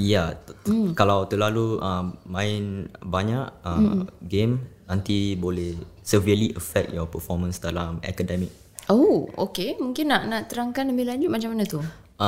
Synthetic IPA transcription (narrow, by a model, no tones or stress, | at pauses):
ja | kalawt̪əlaluəmːãɪnbaɲaʔə̰ɡemnãnt̪ibolɛhsəviəliʔəfɛk̚t̪̚jɔpəfɔmə̃nsdalamɛ̰kədɛmik̚ | oo̰kemũŋkɪnːaʔnaʔt̪əɾaŋkanləmilaɲd͡ʒut̪̚mat͡ʃamanat̪u